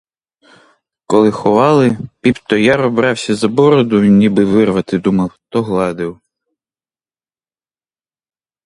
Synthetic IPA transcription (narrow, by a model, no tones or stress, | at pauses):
kɔlˠɪxɔʋɑlˠɪpʲipt̪ɔjaɾɔbɾɑwsʲɐzɐbɔɾɔd̪ʊnʲibɪʋɪrʋɐt̪ɪd̪umɐwt̪ɔɦlˠɑd̪ɪw